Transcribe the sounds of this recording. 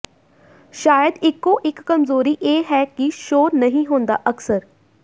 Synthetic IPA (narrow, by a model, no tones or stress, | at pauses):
ʃaːjəd̪ɪkːoʔɪkːəmzoːɾiʔeːɦɛːkiʃoːnəɦĩɦoːnd̪a̰ːʔəksəɾ